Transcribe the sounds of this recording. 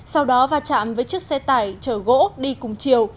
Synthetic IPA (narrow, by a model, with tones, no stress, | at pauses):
sa˧wɗɔ˨˦vaː˧˩t͡ɕa̰ː˧˨mvəː˨˦jt͡ɕɨ˦˥ək̚sɛ˧t̪aː˧˩jt͡ɕəː˧˩ɣo̰˧˥ɗi˧kʊ˨˩ŋ͡mt͡ɕi˨˩əw